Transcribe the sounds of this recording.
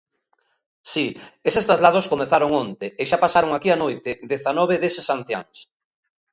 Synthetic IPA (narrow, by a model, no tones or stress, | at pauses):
siesest̪azlaðoskomeθaɾoŋont̪eeʃapasaɾoŋakianojt̪ɪðeθanɔβ̞eðesesan̟θja̰ŋs